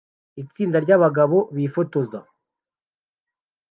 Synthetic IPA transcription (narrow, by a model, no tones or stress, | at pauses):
it͡siːndaɾɟaβaɡaβo̞βiːfoto̞za